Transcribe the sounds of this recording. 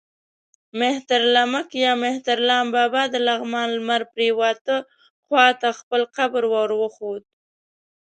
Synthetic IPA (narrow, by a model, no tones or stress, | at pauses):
meht̪aɾlamakjɑmeht̪aɾlɑmbɑbɑd̪əlaɣmɑnlmaɾpɾewɑt̪ə | xwɑt̪axpəlqabɾwɑɾwəxod̪̚